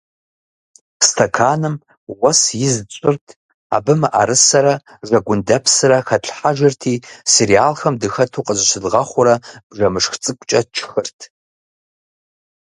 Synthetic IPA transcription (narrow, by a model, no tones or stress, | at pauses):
stʰɐkʰaːnɨm | wɐsjɪzt͡sʷʼɨrtʰ | a̰bɨmɨʔa̰ɾɨsɐɾɐ | ʐɐɡʷʊndɐpʰsɨrɐxɐɬħaʒɪrtʰiːseɾiaːlxɐmdɨxɐtʰuːqʼəzɨsɨdʁɐχʷʊɾɐb̥ʐɐmɨʂxt͡sʼɨkʷʼt͡ʃʼɐt͡ʃʰxɨrtʰ